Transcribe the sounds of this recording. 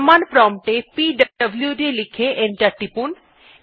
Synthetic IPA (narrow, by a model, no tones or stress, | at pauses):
manpɾɔmʈepiɖɐɐbljuɖelikʰeʔeɳʈaʈːipun